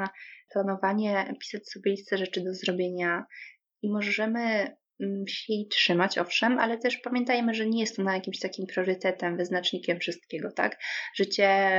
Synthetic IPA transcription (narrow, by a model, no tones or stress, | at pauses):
aplanɔvaɲɛpʲi̥sat͡ɕsɔbʲjɛlʲist̪ɛʐɛt͡ʂɘd̪ɔzɾɔbʲjeɲa | imɔʐɛmɘ | ɕɛjjtʂɘmat͡ɕɔ̰fʂɛmʔa̰lɛt̪ɛʂpamʲjɛnt̪ajmɘʐɛɲɛjɛst̪ɔnajakʲimɕt̪akʲimpɾjɔɾɘt̪ɛt̪ɛmvɘznat͡ʂɲikʲɛmfʂɨst̪̚kʲɛɡɔt̪a̰kʐ̥ɘt͡ɕɛ